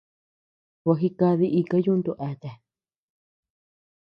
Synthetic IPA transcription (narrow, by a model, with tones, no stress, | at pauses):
wa˧ɦi˧ka˧ði˦˧ʔi˧ka˦jũ˦nd̪u˧ʔa˧˨t̪a˨